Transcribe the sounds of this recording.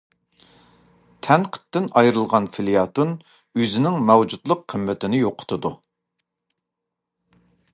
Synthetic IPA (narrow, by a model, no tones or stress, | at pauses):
t̪ʰɛnqʰə̥t̪ːɪnɑjɾɨlˠʁɑnfɪlijɑt̪un | øzɪnɪŋmɛwd͡ʒud̪lˠəqʰːəmːɪt̪ʰɪnɪjoqʰʊ̥t̪ʰɨd̪u